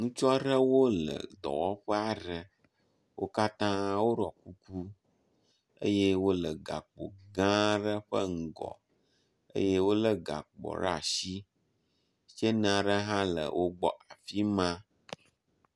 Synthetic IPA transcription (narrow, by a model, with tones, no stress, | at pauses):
nũ˦t͡ʃɔ˦ɖə˦wo˦lə̰˨d̪ɔ̰˨wɔ˦ɸə˦a˨ɖə˨ | wʔo˦ka˦t̪ã˦wo˦ɖɔ˨ku˦ku˦ | ə̰˦je˦wo˦lə˨ɡa̰˨k͡po̰˨ɡã˦ɖə˦ɸə˦ŋ̩˨ɡɔ̰˨ | ə̰˦je˦wo˦lə˦ɡa̰˨k͡pɔ̰˨ɾa̰˨ʃi˦ | ʃe˦nã˨ɖə˦ɦã˦lə̰˨wʔo˦ɡ͡bɔ˦ʔa˨fi˦mã˦